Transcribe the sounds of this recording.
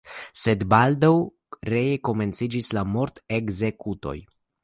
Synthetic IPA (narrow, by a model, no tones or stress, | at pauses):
se̞d̪bald̪aw | ɾejeko̞me̞nt͡sid͡ʒislamo̞ɾt̪eɡze̞kut̪o̞̰j